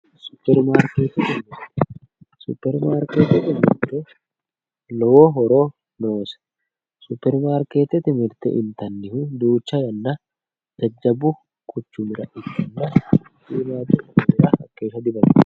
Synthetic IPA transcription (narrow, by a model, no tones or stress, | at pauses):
sʊ̥pːɛɾmaːɾkeːt̪ɛt̪ɪmɪɾt̪ | sʊ̰pːɛɾmaːɾkeːt̪ɛt̪ɪmɪ̰ɾt̪ɛ | lɔwoɦɔɾoː | noːsɐ̥ | sʊpːɛɾmaːɾkeːt̪ɛt̪ɪmɪɾt̪ɛ̰ʔɪnt̪ɐnːɪhʊd̪uːt͡ʃːɐjɐnːɐ | d͡ʒɐd͡ʒːɐbʊ | kʼʊt͡ʃːʊmɪɾɐʔɪt̪ːɐnːɐ | siːmaːd͡ʒ̪ʊɐʊɪɾɐhɐ̰kːeːʃɐd̪ɪbɐ